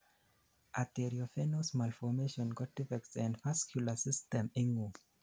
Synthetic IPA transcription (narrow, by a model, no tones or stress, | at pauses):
ʔatɛɾiɔfɛnosmalfɔmeʃɔ̃nɡɔtifɛk̚tsãndfaskʰjulasistɛ̃miŋu